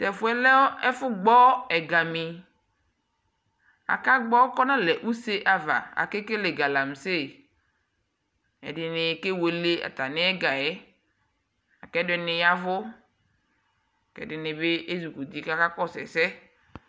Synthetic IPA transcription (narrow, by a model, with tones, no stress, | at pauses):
t̪ɛ˨fʊ˨˦ɛ˦lɛ˦fʊ˦ɡ͡bɔ˦ɛ˨ɡa˨mĩ˨ | a̰˨ka˦ɡ͡bɔ˦kɔ˦nã˦lɛ˨ʔu˦se˦ʔa˨va̰˨a̰˨ke˦ke˦le˨ɡa˨la˨m˨se˦˨ | ɛ̰˨ɖɪ˨nɪ̃˨ke˦we˨le˦a̰˨t̪a˨nɪ̃˦ɛ˦ɡa˨ɛ˦ | a˨kɛ˦dɛ˨nɪ̃˨ja˦vʊ˦˨ | kɛ̰˨dɪ˨nɪ̃˨be˦ʔe˦zu˨ku˨d̪i˨ka˦ka˦kɔ˦sɛ̰˨sɛ˦